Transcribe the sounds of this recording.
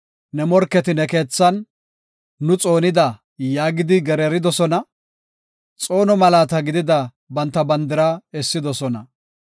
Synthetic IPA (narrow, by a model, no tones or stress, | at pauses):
nɛmɔɾkːɛt̪ɪnɛke̞ːt͡sːɐnː | ʊt͡sʼo̞ːnɪd̪ɐ | jaːɡɪd̪ɪɡɛɾɛɾɪd̪ɔsɔnɐ | t͡sʼo̞ːnɔmɐlaːt̪ɐɡɪd̪ɪd̪ɐ | bɐnt̪ːɐbɐnd̪ɪɾaɛsːɪd̪ɔsɔnɐ̰